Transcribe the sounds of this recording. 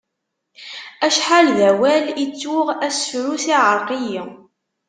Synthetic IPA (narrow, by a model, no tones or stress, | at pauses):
æʃħalðæwælit͡sːʊʁæsfɾusiʕəɾˤqiji